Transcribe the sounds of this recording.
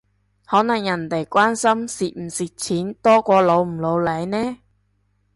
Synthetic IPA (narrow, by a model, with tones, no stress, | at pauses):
hɔː˨˥nɐ˨˩ŋjɐ˨˩nt̪e˨˩jkʷaː˥nsɐ˥msiː˨t̚m̩˨˩siː˨t̚t͡sʰiː˨˥nt̪ɔː˥kʷɔː˧lo˨˧wm̩˨˩lo˨˧wle˨˧˥jnɛː˥